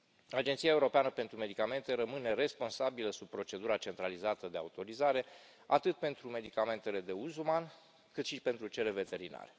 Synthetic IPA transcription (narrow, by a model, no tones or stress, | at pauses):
ad͡ʒent̪siae̞uɾo̞peanəpe̞nt̪ɾume̞d̪ikame̞nt̪e̞ɾəmɨne̞ɾe̞spo̞nsabiləsub̚pːɾo̞t͡ʃe̞d̪uɾat͡ʃe̞nt̪ɾalizat̪əd̪ea̰ut̪o̞ɾizaɾe̞ | at̪ɨt̪̚pe̞nt̪ɾume̞d̪ikame̞nt̪e̞le̞d̪e̞uzuman | kɨt̪ʃipe̞nt̪ɾut͡ʃe̞le̞ve̞t̪e̞ɾina̰ɾe